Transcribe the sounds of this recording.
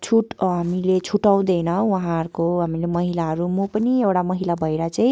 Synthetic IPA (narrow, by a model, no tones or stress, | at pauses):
t͡sʰuʈɦamilet͡sʰuʈaw̃d̪ʌjnʌwaɦãɾkoɦamilemʌɦilaɦʌɾumopʌniewʈamʌɦilabʱʌeɾat͡saĩ